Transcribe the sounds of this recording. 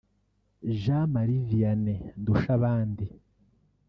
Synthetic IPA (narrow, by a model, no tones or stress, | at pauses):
ʒamaɾivijanenduʃaβaːndi